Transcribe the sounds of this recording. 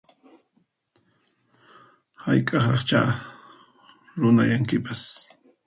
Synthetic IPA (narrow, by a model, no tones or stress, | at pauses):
hajkʼɑχɑχt͡ʃa̰ | ɾʊnajaŋkɪpas